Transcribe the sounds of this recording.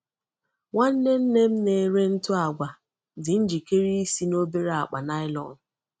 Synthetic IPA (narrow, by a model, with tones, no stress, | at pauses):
ŋa˦n̩˦ne˦m̩˦ne˦m̩˦ne˨ɾe˦n̩˦tʊ˦a˨ɡʷa˨ | dɪ˨n̩˦d͡ʒi˨ke˦ɾi˦i˦si˦no˦be˦ɾa˨k͡pa̰˨na˦ɪ˦lɔ̰˨n̩˨